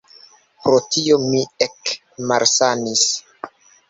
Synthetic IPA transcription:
pɾo̞tio̞miek | malsanis

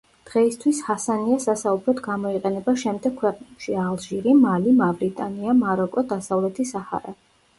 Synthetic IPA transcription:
d̪̥ʁɛist̪ʰwishasaniasasaubɾɔd̪ɡamɔiqʼɛnɛbaʃɛmd̪ɛɡ̥̚kʰwɛqʼnɛpʃialˠʒiɾimalimavɾit̪ʼaniamaɾɔkʼɔd̪asavlɛt̪ʰisaha̰ɾɛ

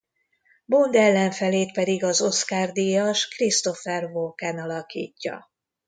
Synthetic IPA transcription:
bond̪ɛlːɛɱfɛleːt̪pɛd̪iɡɒzo̞skaːrd̪ijɒʃkrist̪o̞fɛrvokɛnɒlɒkḭːcːɒ̰

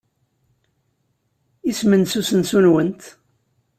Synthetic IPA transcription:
ismənsusənsunwənt̪

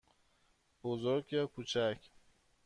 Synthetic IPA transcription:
b̥ozoɾɡjɒkʰut͡ʃʰak

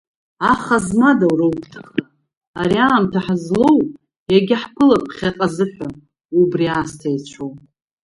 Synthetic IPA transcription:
aχazmadawɾawkʰʼtʰɨχa | aɾiamtʰaħzlo̞w | jaɡʲɪħkʰɨlapʰχʲaqʼazɨħʷᶣa | ubriaːstʰajt͡ɕʷʰow

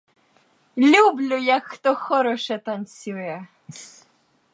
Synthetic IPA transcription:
lʲublʲʊjɐkxt̪ɔxɔɾɔʃɛt̪ɐnt͡sʲujɛ

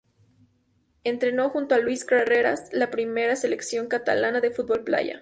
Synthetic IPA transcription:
e̞nt̪ɾe̞no̞xunt̪oalwiskɾareɾaslapɾime̞ɾase̞leksjo̞ŋkat̪a̰lanaðe̞fut̪̚bo̞lpla̰ʝa̰

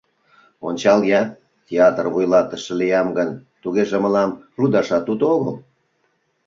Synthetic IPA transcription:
onʲt͡ɕɑljɑ | tʲeɑt̪ərβujlɑt̪ə̆ʃĕlijɑmɡənt̪uɣeʒeməlɑm | rud̪ɑʃɑt̪ud̪ooɣəl

